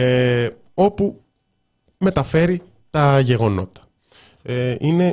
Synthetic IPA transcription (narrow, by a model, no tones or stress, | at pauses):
e | o̞pu | me̞t̪ɐfe̞ɾi | t̪ɐʝe̞ɣo̞no̞̰t̪ɐ̥ | eine̞